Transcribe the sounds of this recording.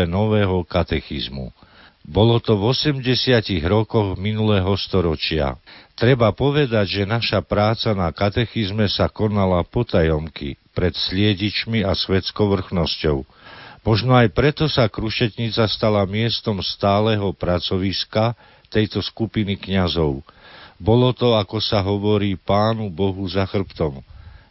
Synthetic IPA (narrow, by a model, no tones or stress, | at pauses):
ɛnɔʋɛːɦɔkat̪ɛxḭzmṵ | bɔlɔt̪ɔvɔsɛmɟɛsɪaciɣɾɔkɔɣminulɛɦɔst̪ɔɾɔt͡ʃɪa̰t̪ɾɛbapɔʋɛd̪aɟʒɛnaʃapɾaːt͡sanakat̪ɛxizmɛsakɔnalapɔt̪ajɔmkḭpɾɛt̪slɪɛɟit͡ʃmiasʋɛt͡skɔʊʋr̩xnɔscɔʊ | mɔʒnɔajpɾɛt̪ɔsakɾuʃɛt̪ɲit͡sast̪alamɪɛst̪ɔmst̪aːlɛɦɔpɾat͡sɔʋiska | t̪ɛjt̪ɔskupinikɲazɔʊbɔlɔt̪ɔakɔsaɦɔʋɔɾiːpaːnubɔɦuzaxr̩pt̪ɔm